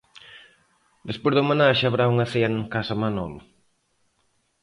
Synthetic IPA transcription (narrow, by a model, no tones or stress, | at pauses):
d̪espojzðomanaʃaβɾauŋaseɐnŋkasɐmanɔmɐ